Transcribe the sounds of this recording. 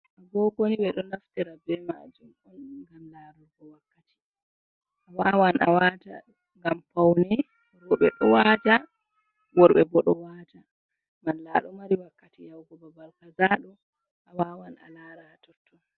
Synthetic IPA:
ʔaɡɔɡoniɓɛɗɔnaftɛɾabɛma̰d͡ʒumɔnɡamlaːɗuɾɡɔwakːati̥ | ʔawawana̰wata̰ | ŋɡampawnɛ | wɔɓɛ̰ɗɔwad͡ʒa | wɔɾɓɛbɔɗɔwaːta | manlaːɗumaɾiwakːatijawɡɔbabalkazaɗɔ | ʔawawana̰laːɾatɔtːɔ

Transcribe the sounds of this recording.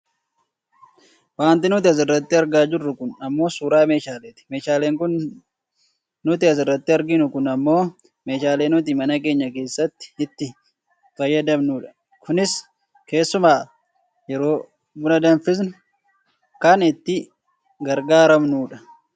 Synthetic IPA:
waːnt̪ɪnʊt̪̬ɪɐs̬ɪrːɐt̪ːɪɐɾɡaːd͡ʒɪrːʊkʊnɐmːo̞ːsuːɾaːme̞ːʃaːleːt̪ɪ̥meːʃaːle̞ːŋkʊn | ʊt̪̬ɪɐs̬ɪrːɐt̪ːɪɐɾɡɪnʊkʊnɐmːo̞ː | me̞ːʃaːle̞ːnʊt̪̬ɪmɐnɐke̞ːɲːɐke̞ːsːɐt̪ːɪ̥ɪt̪ːɪ | fɐjːɐd̪ɐmnuːᶑɐ̥ | kʊnɪs | ke̞ːsːʊmaː | jɛɾo̞ː | bʊnɐd̪ɐnfɪs̬nʊ | kɐnɪt̪ːɪ | ɡɐɾɡaːɾɐmnuːᶑɐ

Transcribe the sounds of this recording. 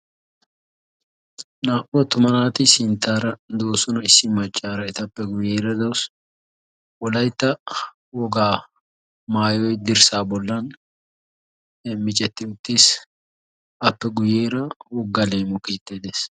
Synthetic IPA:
naːʔɔt̪ʊmɐnaːt̪ɪsɪnt̪ːaːɾɐd̪oːsɔnɐɪsːɪmɐt͡ʃʼːaːɾɐɪt̪ɐpːɛɡʊjeːɾɐd̪ɐws | wɔlɐjt̪ːɐ | wɔɡaː | maːjɔjd̪ɪɾsaːbɔlːɐn | mɪt͡ʃʼɛt̪ːɪʊt̪ːis | ʔɐpːɛɡʊjeːɾɐwɔɡːɐleːmɔkiːt̪ːeːd̪eːs

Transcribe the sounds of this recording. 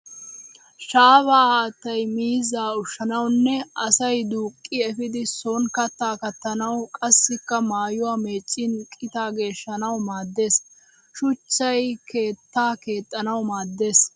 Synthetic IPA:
ʃaːbaːt̪ːɐjmiːzaːʊʃːɐnɐwnːɛɐsɐjd̪uːkʼːɪɛfɪd̪ɪsonkɐt̪ːaːkɐt̪ːɐnɐwkʼɐsːɪkːɐmaːjʊwaːme̞ːt͡ʃʼːɪnkʼɪt̪aːɡe̞ːʃːɐnɐwmaːd̪ːe̞ːs | ʃʊt͡ʃːɐjkʰe̞ːt̪ːaːke̞ːt̪ʼːɐnɐwmaːd̪ːe̞ːs

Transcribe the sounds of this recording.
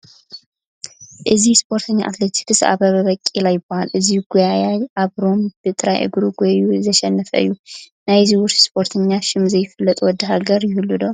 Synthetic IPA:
ʔɨzispʰo̞ɾt̪ʰɐɲːa̰ʔa̰t̪let̪ʰi̥kɨsa̰βɐβɐβɐkʼːilajːɪbohalʔɨziɡujajajʔaβɾo̞mb̥ɨt̪ʼɨɾajʔɨ̰ɡɾuɡʷɔuzɐʃɛnːəfɐ̰ɨ̰jːu | najziwʊɾt̪spʰo̞ɾt̪ʰɐɲːaʃɪmzɐjɪfɨlːɐt̪ʼuwɔd̪ːɨɦaɡɐɾjɪhɨlːud̪o

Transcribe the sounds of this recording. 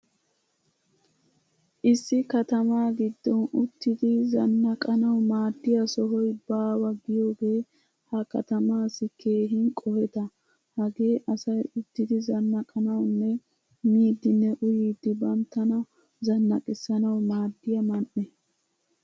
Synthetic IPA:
ʔɪsːɪkɐt̪ɐmaːɡɪd̪ːɔnʊt̪ːɪd̪ɪzɐnːɐkʼɐnɐwmaːd̪ːɪjɐsɔɦɔjbaːwɐɡɪjo̞ːɡe̞ː | hɐkɐ̰t̪ɐmaːsːɪke̞ːɦɪnkʼɔhɛt̪ɐ | hɐɡe̞ːʔɐsɐjʊt̪ːɪd̪ɪzɐnːɐkʼɐnɐwnːɛ | miːd̪ːɪnːɛʔʊjiːd̪ːɪbɐmt̪ːɐnɐ | zɐnːɐkʼɪsːɐnɐwmaːd̪ːɪjɐmɐnʔɛ

